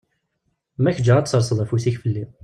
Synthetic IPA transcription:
mæçəd͡ʒːəʁæt̪səɾˤsˤəðˤæfusiçfəlːi

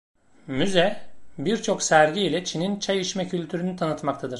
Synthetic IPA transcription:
myzɛbiɾt͡ʃʰo̞ksæɾɟiːlʲɛt͡ʃʰinint͡ʃʰajiʃmɛcʰylʲt̪ʰyɾynyt̪ʰanɯt̪mak̚t̪ʰad̪ɯɾ̥

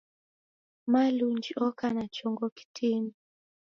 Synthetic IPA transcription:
malund͡ʒiɔkanat͡ʃɔŋɡɔki̥tʰini

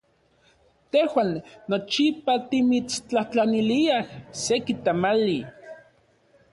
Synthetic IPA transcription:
t̪ehwaːnːot͡ʃipat̪imit͡st͡ɬaht͡ɬaniliahsekit̪amali

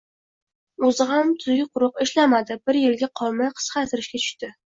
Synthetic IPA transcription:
ʊzɪɦamt̪ʰʊzɡʲɪqʰʊɾʊqɪʃlamad̪ɪbɪɾjɪlɡʲaqʰɒlˠmajqʰɨ̥sqɑt̪ʰɪɾɪʃkʲat͡ʃʰʊ̥ʃt̪ɪ

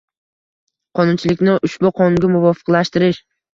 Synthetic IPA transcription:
qʰɒnʊnt͡ʃʰɪlɪkʲnɪʔʊʃbʊqʰɒnʊŋɡʲɪmʊvɒfɨ̥qlaʃt̪ɪɾɪʃ

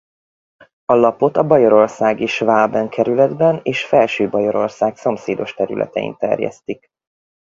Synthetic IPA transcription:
ɒlɒpo̞t̪ɒbɒjoɾo̞rsaːɡeːʃvaːbɛŋkʰɛɾylɛd̪bɛneːʃfɛlʃøːbɒjo̞ɾo̞rsaːkso̞mseːd̪o̞ʃt̪ɛɾy̰lʔɛ̰t̪ɛḭnt̪ɛ̰rjɛ̰st̪ik

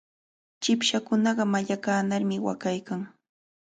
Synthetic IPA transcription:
t͡ʃɪpʃakʊnɑɢɑmaʎakaːnaɾmɪwa̰kajkaŋ

